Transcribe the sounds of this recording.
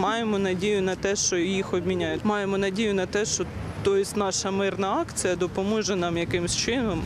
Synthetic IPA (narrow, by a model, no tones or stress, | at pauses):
mɑjemɔnɐdʲijʊnɐt̪ɛʃt͡ʃɔjixɔbʲmʲinʲajʊtʲmɑjemɔnɐdʲijʊnɐt̪ɛʃt͡ʃɔt̪ɔjɪsʲtʲnɑʃɐmɪrnɐɑkt͡sʲijɐd̪ɔpɔmɔʒɛnɑmjɐkɪmsʲt͡ʃɪnɔm